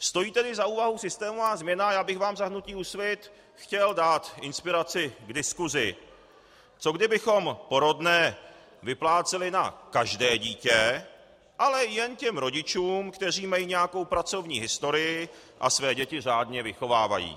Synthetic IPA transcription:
st̪o̞jiːt̪ɛdɪzauːvaɦusɪst̪ɛːmovaːzmɲɛnajaːbɪxvaːmzaɦnuciːusvɪt̪ | xcɛldaːt̪ʔɪnspɪɾat͡sɪɡdɪskuzɪ | t͡so̞ɡdɪbɪxo̞mpo̞ɾo̞dnɛː | vɪplaːt͡sɛlɪnakaʒdɛːɟiːcɛ | ʔalɛjɛncɛmɾo̞ɟɪt͡ʃuːmkt̪ɛr̝iːmajiːɲɛjako̞wpɾat͡so̞vɲiːɦɪst̪o̞ɾɪjɪ | ʔa̰svɛːɟɛcɪr̝aːdɲɛvɪxo̞vaːva̰jḭː

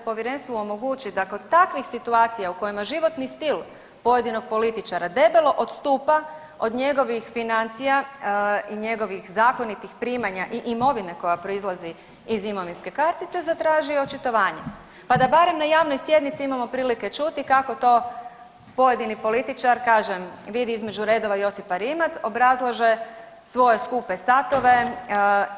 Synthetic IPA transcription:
po̞ʋjeɾe̞nst̪ʋuomo̞ɡuːt͡ʃid̪ako̞d̪t̪akʋixsit̪uaːt̪sijauko̞jimaʒiʋo̞t̪nist̪ilˠ | po̞je̞d̪ino̞ɡ̥̚po̞lit̪it͡ʃaɾad̪e̞belo̞ʔod̪st̪uːpa | o̞d̪ɲe̞ɡo̞ʋixfinant̪sija | iɲe̞ɡo̞ʋixzaːko̞nit̪ixpɾiːmaɲaʔiʔimo̞ʋine̞ko̞japɾo̞izlˠazi | izimo̞ʋinske̞kaɾt̪it̪se̞zat̪ɾaːʒiot͡ʃit̪o̞ʋaːɲe | pad̪abaɾe̞mnajaːʋno̞jsje̞d̪nit̪siimamo̞pɾiːliket͡ʃut̪ikako̞t̪o̞ | po̞je̞d̪inipo̞lit̪it͡ʃaɾkaːʒemʋid̪iizmed͡ʒuɾe̞ːd̪o̞ʋaijo̞sipaɾimat̪so̞bɾazlˠaʒe̞ | sʋo̞je̞skupe̞sat̪o̞ʋe̞

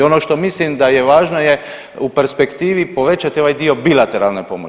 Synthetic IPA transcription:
o̞noʃt̪o̞mislimd̪ajeʋaːʒno̞je | upeɾspekt̪iːʋipo̞ʋe̞t͡ʃat̪io̞ʋaːjd̪io̞bilat̪eɾalne̞po̞̰mo̰

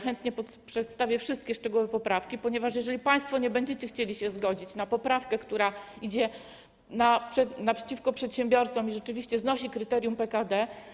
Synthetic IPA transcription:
xɛnt̪ɲɛpɔt̪pʂɛt̪st̪avʲjɛfʂɘst̪̚kʲɛʂt͡ʂɛɡuwɛpɔpɾafkʲipɔɲɛvaʂjɛʐɛlʲipaj̃st̪fɔɲɛbɛɲd͡ʑet͡ɕɛxt͡ɕelʲiɕɛzɡɔd͡ʑit͡ɕnapɔpɾafkɛkt̪uɾa | id͡ʑɛ | napʂɛnapʂɛ̥t͡ɕifkɔpʂɛt̪ɕɛmbʲjɔɾt̪sɔmiʐɛt͡ʂɘvʲiɕt͡ɕɛznɔɕikɾɘt̪ɛɾʲjumpɛkad̪ɛ

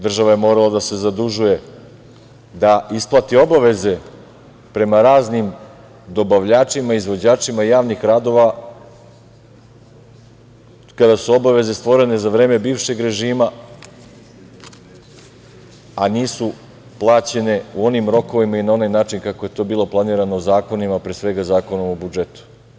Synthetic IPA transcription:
d̪r̩ʒaʋaje̞mo̞ːɾalˠad̪ase̞zad̪uʒuje̞ | d̪aisplˠat̪io̞baʋe̞ze̞ | pɾe̞maɾaːznim | d̪o̞baʋʎaːt͡ʃimaizʋo̞d͡ʑaːt͡ʂimaijaːʋnixɾaːd̪o̞ʋa | kad̪asuo̞baʋe̞ze̞st̪ʋo̞ɾe̞ne̞zaʋɾe̞ːme̞biːʋʃe̞ɡɾe̞ʒiːma | aniːsu | plˠaːt͡ɕe̞ne̞uo̞nimɾo̞ko̞ʋimainao̞naːjnaːt͡ʃinkakoje̞t̪o̞ːbiːlˠo̞plˠaniːɾanozaːko̞nimapɾesʋe̞ɡazaːko̞no̞mobud͡ʒe̞t̪u̥

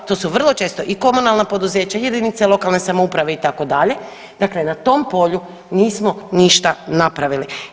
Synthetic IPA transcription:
t̪o̞suʋr̩lˠo̞t͡ʃe̞ːst̪o̞ʔiko̞munalˠnapo̞d̪uze̞ːt͡ɕajed̪iːnit̪selo̞kalˠne̞samoupɾaʋe̞it̪ako̞d̪aʎe̞ | d̪akle̞nat̪o̞ːmpo̞ʎu | niːsmoniʃt̪anapɾaʋili

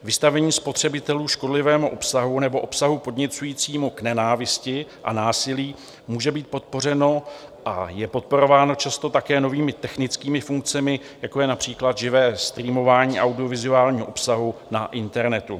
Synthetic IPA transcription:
vɪst̪avɛɲiːspo̞t̪r̝̥ɛbɪt̪ɛluːʃko̞dlɪvɛːmuʔo̞psaɦunɛbo̞ʔo̞psaɦupo̞dɲɛt͡sujiːt͡siːmuknɛnaːvɪscɪʔa̰naːsɪliː | muːʒɛbiːt̪̚po̞t̪̚po̞r̝ɛno̞ʔa̰jɛpo̞t̪̚po̞ɾo̞vaːno̞t͡ʃast̪o̞t̪akɛːno̞viːmɪt̪ɛxnɪt͡skiːmɪfuŋk̚t͡sɛmɪ | jako̞jɛnapr̝̥iːklad̪ʒɪvɛːst̪ɾiːmo̞vaːɲiːʔawdɪo̞vɪzuaːlɲiːɦoʔopsaɦunaʔɪnt̪ɛɾnɛt̪u

